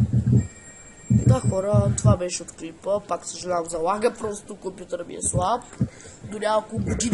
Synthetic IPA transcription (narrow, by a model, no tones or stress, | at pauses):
d̪axɔɾət̪ovabɛʃɛot̪klipəpaksəʒɛnamzɐlˠaɡəpɾɔst̪okompjut̪əɾmḭɛ̰slˠap̚d̪ʊɾʲaɐkoɡod̪in